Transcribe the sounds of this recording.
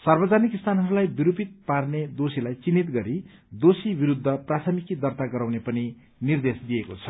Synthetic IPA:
sʌrbʌd͡zanikst̪ʰanɦʌɾulajbiɾupit̪̚parned̪osilajt͡sinːit̪ɡʌɾi | d̪osibiɾud̪ʱːʌprat̪ʰʌmikid̪ʌrt̪aɡʌɾawnepʌni | nird̪esd̪ijekot͡sʰʌ

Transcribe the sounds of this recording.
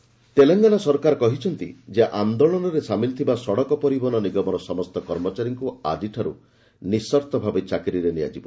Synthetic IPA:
t̪eleŋɡanasɔɾkaɾɔkɔɦit͡ʃʰɔnt̪id͡ʒeʔand̪ɔɭɔnɔɾesamilt̪ʰibasɔɽɔkɔpɔɾibɔnɔniɡɔmɔɾɔsɔmɔst̪ɔkɔɾmɔt͡ʃaɾiŋkua̰d͡ʒiʈʰaɾṵ | nisɔɾt̪ɔbʱabet͡ʃakɾiɾenia̰d͡ʒibɔ

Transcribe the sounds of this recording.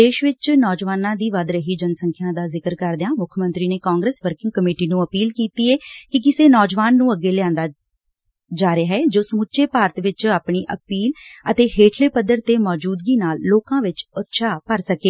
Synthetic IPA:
eːʃʋɪt͡ʃnɔːd͡ʒʋaːnãːd̪iːʋəd̪ɾəɦiːd͡ʒənsəŋkʰjãːd̪aːzɪkəɾkəɾd̪eãːmʊkʰəmə̃nt̪ɾiːneːkaːŋɡɾeːsʋəɾkɪ̃ŋɡ̚kəmeːʈiːnũːəpiːlkiːt̪iːɛːkɪkɪseːnɔːd͡ʒʋaːnːũːəɡeːlɪãːnd̪aː | d͡ʒaːɾeɦɛːd͡ʒoːsəmʊtːʃeːpaːɾət̪ʋɪt͡ʃaːpɳiːʔə̰piːlət̪eːheːʈʰleːpəd̪əɾt̪eːmɔːd͡ʒuːd̪ɡiːnaːlːoːkãːʋɪt͡ʃət̪ʃʰaːpəɾsəkeː

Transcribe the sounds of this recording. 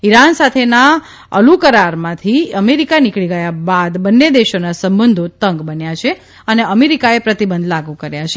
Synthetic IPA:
iɾansat̪ʰena | ə̰lukəɾaɾmãt̪ʰiəmeɾikanikɭiɡəjabad̪bənːed̪eʃonasəmbənd̪ʱot̪əŋɡbənjat͡ʃʰe | əneəmeɾikaepɾət̪ibənd̪ʱlaɡukəɾjat͡ʃʰe

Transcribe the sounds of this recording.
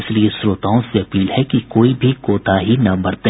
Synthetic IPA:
ɪsliesɾoːt̪aːõseɐpiːlhɛkikoːibʱikoːt̪aɦinɐbɐɾt̪e

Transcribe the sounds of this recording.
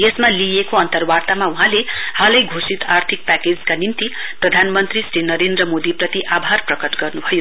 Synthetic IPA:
jesmalijekoʌnt̪ʌrwart̪amauɦãlehalʌjɡʱosit̪art̪ʰik̚paked͡zkanint̪i | prʌd̪ʱanmʌnt̪risɾinʌɾend̪rʌmod̪iprʌt̪iʔabʱarprʌkʌʈɡʌrnubʱʌjo

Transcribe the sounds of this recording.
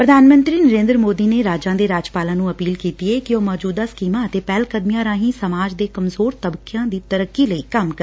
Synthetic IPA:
pɾəd̪ʱaːnmə̃nt̪ɾiːnəɾẽːnd̪ɾmoːd̪iːneːɾaːd͡ʒãːd̪eːɾaːd͡ʒpaːlãːnũːəpiːlkiːt̪iːeːkɪoːmɔːd͡ʒuːd̪aːskiːmãːət̪eːpɛːlkəd̪mɪjãːɾãːɦĩːsəmaːd͡ʒd̪eːkəmzoːɾt̪əbkɪjãːd̪iːt̪əɾəkːiːləiːkəmkə

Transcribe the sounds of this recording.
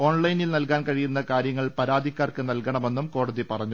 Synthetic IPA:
o̞ːɳlɐjnilnɐlkaːnkɐɻijunːɐkaːɾjɐŋːɐɭpɐɾaːd̪ʱikʲːaːrkɨnɐlkɐɳɐme̞nːumko̞ːɽɐðipɐrɐɲːu

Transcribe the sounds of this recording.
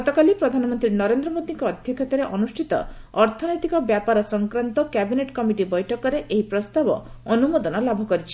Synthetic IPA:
ɡɔt̪ɔkalipɾɔd̪ʱanɔmɔnt̪ɾinɔɾend̪ɾɔmod̪iŋkɔːd̪ʱjɔkʰjɔt̪ɔɾeʔɔnusʈʰit̪ɔ̰ɔɾt̪ʰɔnɔjt̪ikɔbjapaɾɔsɔŋkɾant̪ɔkɛbineʈkɔmiʈibɔjʈʰɔkɔɾeʔeɦipɾɔst̪abɔ̰ɔnumod̪ɔnɔlabʱɔkɔɾit͡ʃʰi̥

